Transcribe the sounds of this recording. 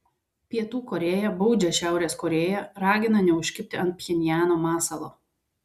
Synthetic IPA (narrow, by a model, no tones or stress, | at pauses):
pʲiɛt̪uːkɔɾʲeːjɛbɔʊd͡ʒʲɛʃʲæˑʊɾʲeːskɔɾʲeːjɛɾɑːɡʲɪnɐnʲɛʊʃʲkʲɪpʲt̪ʲɪɐnt̪̚pʲxʲɛnʲɪjæːnoːmɑːsɐlˠoː